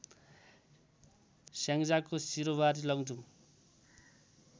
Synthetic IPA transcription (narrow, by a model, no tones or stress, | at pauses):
saŋd͡zakosiɾobaɾilʌɡd͡zu